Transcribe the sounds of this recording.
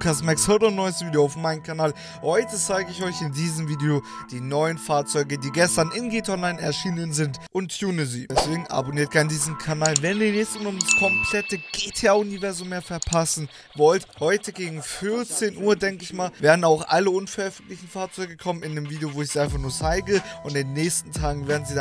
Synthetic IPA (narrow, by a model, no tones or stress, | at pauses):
kʰastmɛkshøɐtɔnːɔʏəstviːdejoaʊfmaɪnənkʰanaːl | hɔʏtət͡saɪɡəɪçɔʏçɪndiːzəmviːdeo | d̥iːnɔʏənfaːɐt͡sɔʏɡədiːɡɛstɐnɪnɡetɔnlaɪnɛ̰ɐʃiːnənzɪntʔʊntʰːjuːnəzḭːd̥ɛsv̥eːɡŋ̩ʔa̰boniːɐt̚ɡʰaɐndiːzəmkʰanaːlvɛniːɐnɛçstəmaːʊmdaskʰɔmpʰl̥ɛtəɡ̥etʰeaːʊnivɛɐzʊmːeːɐfɛɐpʰasn̩ | vɔlthɔʏtəɡeːɡŋ̩fʏɐt͡seːnʔuːɐdɛŋkəɪçmaːlveːɐdn̩aʊxʔaləʊnfɛɐʔœfn̩tlɪçn̩faːɐt͡sɔʏɡəkʰɔmənɪnəmviːdeovoːɪçziːaɪnfaχnuːɐt͡saɪɡəʔʊntɪnːɛːçstn̩tʰaːɡŋ̩veːɐdn̩ziː